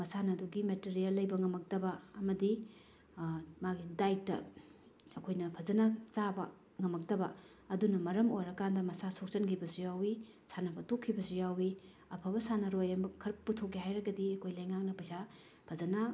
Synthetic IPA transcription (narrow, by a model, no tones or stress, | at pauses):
mɐsanɐduɡimeteɾijɐlːɐjbɐŋɐmɐk̚dɐbɐɐmɐdi | maɡidajtːɐ̰ | ɐkʰojnɐpʰɐzɐnat͡ʃabɐ | ŋɐmɐk̚dɐbɐ | ɐdunɐmɐɾɐmojɾɐkandɐmɐsasok̚t͡ʃɐnkʰibɐsujawi | sanɐpʰɐtokʰːibɐsujawi | ɐpʰɐbɐsanɐɾojɐmbɐkʰɐɾputʰok̬ːiɦajɾɐɡɐdiɐkʰojlɐjŋak̚nɐpɐjsa | pʰɐzɐna